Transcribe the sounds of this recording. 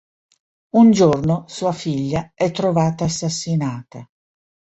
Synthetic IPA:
und͡ʒornosuːafiʎːaɛt̪ːɾovaːt̪aːsːasːinaːt̪a

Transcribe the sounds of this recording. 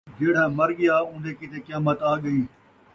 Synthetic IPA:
d͡ʒeːɽ̤ãːmɐɾɡɪjaːʊ̃ːnd̪eːkit̪eːkjaːmət̪aːɠəĩː

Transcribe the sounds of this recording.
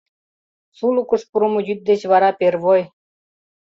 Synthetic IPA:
sulukəʃpuɾəmojyt̪̚d̪et͡ɕβɑɾɑperβoj

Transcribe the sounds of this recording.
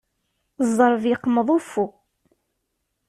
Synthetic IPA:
zˤːəɾˤviqməðˤufu

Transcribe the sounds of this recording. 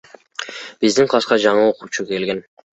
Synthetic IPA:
b̥ɪzd̪ɪŋqʰɑsqɑd͡ʒɑɴɑoqʰuwt͡ʃʰʊkʲʰe̞lɡʲɪn

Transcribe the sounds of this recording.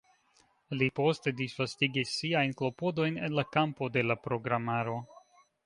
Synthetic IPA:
lipo̞ste̞disvastiɡisːiajnklo̞po̞do̞jne̞nlakampo̞de̞lapɾo̞ɡɾamaɾo̞

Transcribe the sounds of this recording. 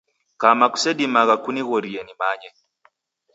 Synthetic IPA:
kamaku̥sɛdimaɣakuniɣɔɾiɛnimaɲɛ

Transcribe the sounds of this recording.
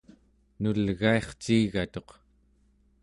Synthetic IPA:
nulɣae̞χt͡ʃiːɣat̪o̞q

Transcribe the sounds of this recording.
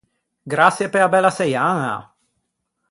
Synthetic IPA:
ɡɾasjepeabɛlasejaŋa̰

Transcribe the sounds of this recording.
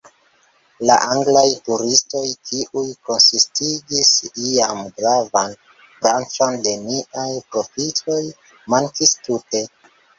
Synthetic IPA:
la̰ʔaŋɡlajtuɾisto̞jtʰiʔujko̞nsistiɡisiamɡɾavan | bɾant͡ʃo̞nde̞niʔajpɾo̞fito̞j | maŋkistute̞

